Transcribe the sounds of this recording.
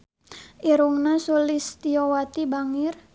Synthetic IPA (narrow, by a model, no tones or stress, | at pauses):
ʔiɾuŋnasulist̪iowat̪ibaŋɪr